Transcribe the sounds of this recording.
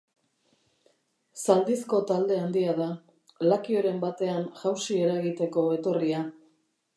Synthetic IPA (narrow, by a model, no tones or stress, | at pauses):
sald̪isko̞t̪ald̪e̞and̪iaða | lakio̞ɾe̞mbat̪e̞anʝawsie̞ɾaɣit̪e̞ko̞e̞t̪o̞ria